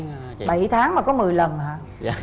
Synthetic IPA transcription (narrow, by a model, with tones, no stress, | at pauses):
ɓa˧˩jt̪ʰaː˨˦ŋmaː˨˩kɔ˨˦mɨ˨˩əjlə˨˩nhaː˧˦